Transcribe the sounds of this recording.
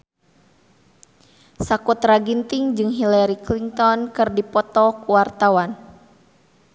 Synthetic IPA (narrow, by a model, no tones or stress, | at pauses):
sakut̪raɡint̪iŋd͡ʒɨŋɦilaɾikliŋt̪ɔnkɨrdipɔt̪ɔkuwart̪awan